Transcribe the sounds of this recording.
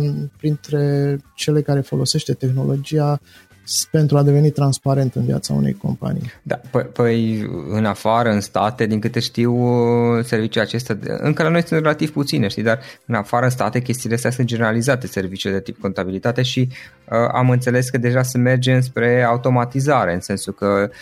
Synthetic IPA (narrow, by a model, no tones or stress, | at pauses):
pɾint̪ɾe̞t͡ʃe̞lekaɾe̞fo̞lo̞se̞ʃt̪e̞t̪e̞xno̞lo̞d͡ʒija | pe̞nt̪ɾuad̪e̞ve̞nit̪ɾanspaɾe̞nt̪ɨnvja̰t̪sa̰ṵnejko̞̰mpa̰nḭjd̪a̰pəpəj̰ɨnafaɾəɨnst̪at̪e̞d̪iŋkɨt̪e̞ʃt̪iwse̞ɾrvit͡ʃulat͡ʃe̞st̪ʲaɨ̰ŋkəlano̞jsɨnt̪re̞lat̪iv̥put̪sineʃt̪id̪arɨnafaɾəɨnst̪a̰t̪e̞k̬ʲe̞st̪iːleəst̪ʲas̬ɨnt̪̚d͡ʒe̞neɾalizat̪e̞se̞rvit͡ʃiuled̪e̞t̪ip̚ko̞nt̪abilit̪at̪e̞ʃi | əa̰mɨnt̪se̞le̞skəd̪e̞ʒaseme̞rd͡ʒemɨnspɾe̞awt̪o̞mat̪izaɾe̞ɨnse̞nsukə